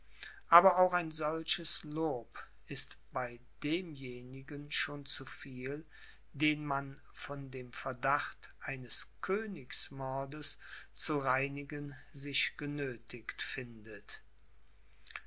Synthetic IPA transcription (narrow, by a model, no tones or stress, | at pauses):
ʔaːbɐaʊxaɪnzɔlʃəsloːp | ɪstb̥aɪ | d̥eːmjeːnɪɡənʃoːnt͡sufiːl | deːnman | fɔndeːmfɛɐdaχtʔaɪnəskʰøːnɪksmɔɐdəst͡suʁaɪnɪɡənzɪʃɡ̥ənøːtʰɪktfɪndət